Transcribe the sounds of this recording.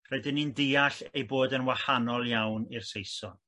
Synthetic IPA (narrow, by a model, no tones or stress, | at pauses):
r̥ɛdɪnindiːaɬejboːdənwahanɔlˠjawnirsejsɔn